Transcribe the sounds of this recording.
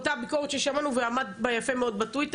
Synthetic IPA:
t̪abikoʁetʃeʃamanuveamad̪bajafe̞meo̞d̪̚batujt̪

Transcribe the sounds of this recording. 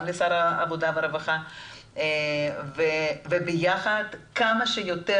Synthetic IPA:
lesaɾaavod̪aveaɾevaχa | vevebejaχad̪kamaʃejot̪e

